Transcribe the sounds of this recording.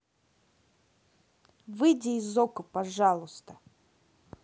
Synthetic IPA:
vɨdʲizokʊpaʐalˠʊst̪ə

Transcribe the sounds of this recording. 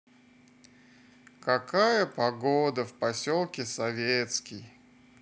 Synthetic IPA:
kɐkajəpɐɡod̪əfpɐsʲolˠkʲɪsɐvʲet̪skʲɪj

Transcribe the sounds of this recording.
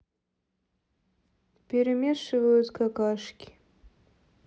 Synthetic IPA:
pʲeɾʲemʲeʂɨvɐjut͡skɐkaʂkʲi̥

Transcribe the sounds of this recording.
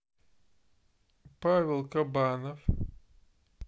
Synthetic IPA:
pavʲelˠkɐbanəf

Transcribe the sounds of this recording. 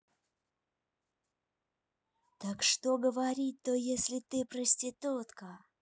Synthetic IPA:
t̪akʂt̪oɡəvɐɾʲit̪̚ʲːojesʲlʲɪt̪ɨpɾəsʲtʲɪt̪ot̪kə

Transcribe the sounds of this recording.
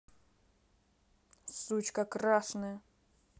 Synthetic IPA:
sut͡ɕkɐkɾaʂnɐjɐ

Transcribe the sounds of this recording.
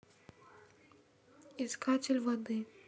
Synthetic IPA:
iskat͡sʲelʲvɐd̪ɨ

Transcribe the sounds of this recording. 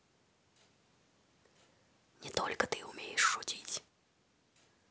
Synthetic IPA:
nʲɪt̪o̰lʲkət̪ɨʊmʲejɪʂːʊtʲitʲ

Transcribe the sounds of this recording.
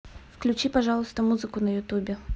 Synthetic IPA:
fklʲʉt͡ɕipɐʐɑlˠʊst̪əmuzɨkʊnəjʊt̪ubʲɪ

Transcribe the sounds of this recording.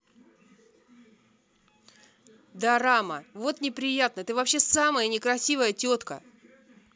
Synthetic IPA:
d̪aɾaməvo̞t̪nʲɪpɾʲɪjat̪̚nət̪ɨvɐpɕːe̞saməjənʲɪkɾɐsʲivəjətʲo̞t̪kə̰

